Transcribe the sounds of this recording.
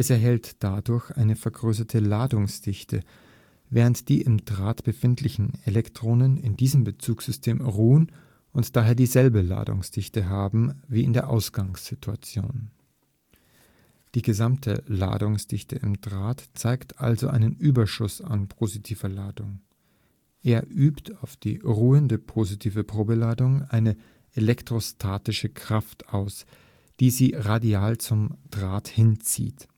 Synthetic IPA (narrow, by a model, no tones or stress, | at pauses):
ʔɛsɛɐɦɛltd̥adʊɐçʔa̰ɪnəfɛɐɡʁøːs̬ɐtʰəlaːdʊŋsd̥ɪçtʰə̰ | vɛːʁ̞əntd̥iːʔɪmd̥ʁaːtb̥əfɪntʰlɪçn̩elɛktʁ̥oːnənɪndiːzəmbət͡suːksz̥ʏstʰeːmʁuːən | ʔʊntd̥aːɦeːɐdiːzɛlbəla̰ːdʊ̰ŋsd̥ɪçtəɦaːbm̩viːɪndeːɐʔaʊsɡ̥aŋsz̥ɪtʰua̰t͡sjo̰ːn | d̥iːɡəzamtʰəla̰ːdʊŋsd̥ɪçtəɪmdʁaːtt͡saɪktʰʔalzoʔaɪnənʔyːbɐʃʊsa̰npʰozitʰiːvɐlaːdʊŋ | ʔeːɐʔyːptʰaʊfd̥iːʁuːəndəpʰozitʰiːvəpʁ̥oːbəlaːdʊŋʔaɪnə | ʔelɛktʁ̥ostʰaːtɪʃəkʁ̥aftʔaʊs | d̥iːziːʁadiaːlt͡sʊmd̥ʁaːthɪnt͡sḭːt